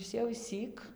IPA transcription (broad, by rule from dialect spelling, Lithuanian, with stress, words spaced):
ˈɪs jɛʊ ɪʃʲˈsʲiːk